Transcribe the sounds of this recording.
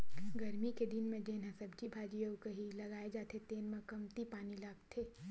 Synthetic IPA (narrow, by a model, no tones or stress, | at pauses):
ɡɐɾmiked̪ɪnmẽd͡ʒeːnãsɐbd͡ʒibʱaːd͡ʒijəukɐɦilɐɡaːed͡ʒaːt̪ʰet̪eːnmãkɐmt̪ipaːnilaːɡt̪ʰeː